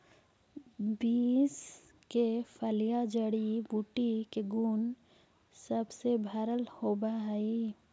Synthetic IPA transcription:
biːs | kepʰəlijad͡ʒəɽibuʈikeɡuːn | səbsebʱaɾəlhoːbaɦai

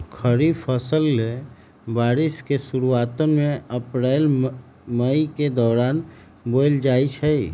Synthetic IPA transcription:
kʰəɾifʰəsəlːe | baːɾɪskesuɾuaːt̪ənmẽəpɾɛːl | məiked̪ɔːɾaːn | boːld͡ʒaːit͡ʃʰəi

